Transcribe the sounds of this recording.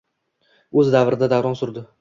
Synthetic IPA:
ɵzd̪avɾɪd̪ad̪avɾɒnsʊɾd̪ɪ

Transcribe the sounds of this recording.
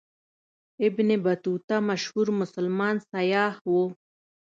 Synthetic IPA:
ɪbnebɐt̪ut̪amaʃhuɾmʊsalmɑːnsɐjɑːhwo

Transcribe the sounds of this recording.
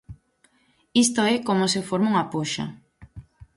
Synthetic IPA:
ist̪oɛkomosefoɾmauŋapoʃa̰

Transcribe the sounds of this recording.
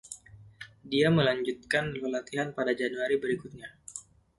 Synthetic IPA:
diaməlaɲd͡ʒut̪̚kanləlat̪iɦanpadad͡ʒanuaɾibəɾikut̪̚ɲa

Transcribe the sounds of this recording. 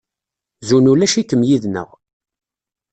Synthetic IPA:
zunulæʃikːəmjiðnə̰ʁ

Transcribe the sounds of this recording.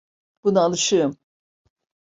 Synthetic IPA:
b̥unaalˠɯʃɯm

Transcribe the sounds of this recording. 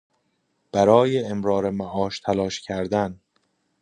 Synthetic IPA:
b̥æɾɒːjeemɾɒːɾemæʔɒːʃt̪ʰælɒːʃcʰæɾd̪æn

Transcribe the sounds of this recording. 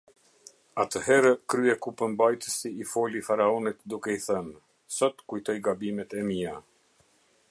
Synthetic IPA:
at̪əɦɛɾəkɾyɛkupəmbajt̪əsiːfɔlifaɾaɔnit̪d̪ukɛiθən | sɔt̪kujt̪ɔjɡabimɛt̪ɛmia

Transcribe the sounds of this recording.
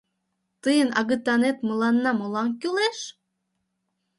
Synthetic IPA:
t̪əjənʔɑɣə̆t̪ɑnet̪mɤlɑnːɑmolɑŋkyleʃ

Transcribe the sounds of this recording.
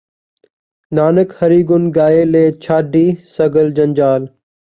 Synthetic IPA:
naːnəkhəɾiːɡʊnɡaːeːleːt͡ʃʰaːɖʱiːsəɡəld͡ʒənd͡ʒaːl

